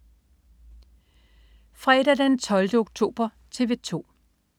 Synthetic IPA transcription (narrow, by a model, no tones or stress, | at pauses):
fʁɛɾ̥æd̥æd̥ent͡sʰɒ̽ld̥əoɡ̥̚t͡sʰo̝̰ːb̥ɐ | t͡sʰe̝ʋe̝t͡sʰo̝̰ː